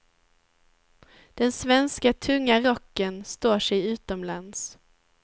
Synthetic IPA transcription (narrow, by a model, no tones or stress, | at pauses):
d̪̥ɛnsvɛnskat̪ʰɵŋːaɾɔkːənst̪oːʂɛjʉ̟ːt̪ɔmlans